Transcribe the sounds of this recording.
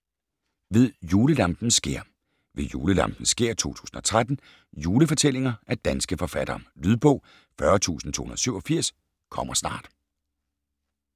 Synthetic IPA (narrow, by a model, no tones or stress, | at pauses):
ʋe̝ðˠjuːləlɑ̈mb̥n̩sɡ̥e̝ɐ̰ | ʋe̝juːləlɑ̰̈mb̥n̩sɡ̥e̝ɐ̰t͡sʰo̝̰ːt͡sʰu̥̰ːsn̩ɒ̽t͡sʰʁad̥n̩ | juːləfɒ̽t͡sʰel̰e̝ŋɐʔæɐd̥ænsɡ̥əfɒ̽fæd̥ɐmlyð̞ˠb̥ɔ̽ʊ̰ | fɶɐt͡sʰṵːsn̩t͡sʰo̰ːhunɐðˠsyʊɒfiɐ̰s | kʰɒ̽m̰ɐsnɑ̰̈ːd̥